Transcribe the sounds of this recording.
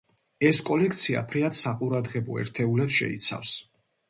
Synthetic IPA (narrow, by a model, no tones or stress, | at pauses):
ɛskʼɔlɛk̚ʰt̪sʰia̰pʰɾiat̪saqʼuɾad̪ʁɛbɔɛ̰ɾt̪ʰɛulɛpsʃɛ̰ḭt̪sʰa̰fs